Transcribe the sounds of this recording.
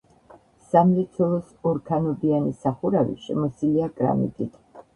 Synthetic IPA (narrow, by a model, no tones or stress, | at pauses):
samlɛt̪sʰɔlˠɔs | ɔɾkʰanɔb̪ianisaχuɾavḭʃɛmɔsiliakʼɾa̰mḭt̪ʼit̪ʰ